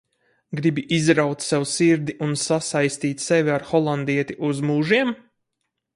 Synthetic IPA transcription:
ɡɾibiʔizɾawt̪ssɛwsiɾd̪iʔunsasajst̪iːt̪ʲsevʲiaɾxɔlˠand̪iɛt̪iʔuzmuːʒiɛm

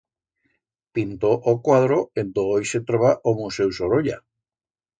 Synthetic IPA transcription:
pint̪oʔokwaðɾoend̪oojset̪ɾoβaʔomusewsoɾoʎa̰

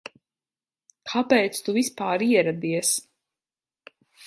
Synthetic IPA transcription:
kʰapɛːt̪st̪uvispaːɾiɛɾad̪iɛs

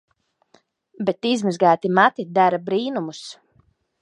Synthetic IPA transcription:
bɛt̪izmɨzɡaːt̪imat̪id̪aɾabɾiːnumus

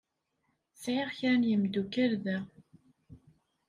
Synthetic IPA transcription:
sʕɪʁçænjəmd̪ukəɾðæ

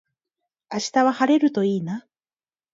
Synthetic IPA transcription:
aɕi̥t̪aβahaɾe̞ɾɯ̟t̪o̞iːna

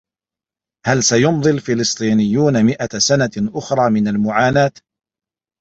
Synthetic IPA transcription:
halsajʊmðˤɨlfɪlɨsˤt̪ˤiːnɪjːuːnamɪʔasanaʔʊxɾˤɑːmɪnalmʊʕaːnaːt̪

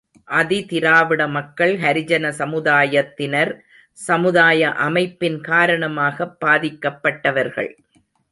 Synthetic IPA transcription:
ʔɐðit̪ɪɾaːʋɪɽɐmɐkːɐɭhɐɾɪd͡ʒɐnɐsɐmɯðaːjɐt̪ːɪnɐɾ | sɐmɯðaːjɐʔɐmɐɪpːɪnkaːɾɐɳɐmaːɣɐbːaːðɪkːɐpːɐʈːɐʋɐɾɣɐ̰ɭ

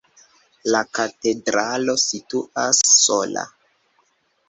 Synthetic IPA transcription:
lakate̞dɾalo̞situʔasːola̰

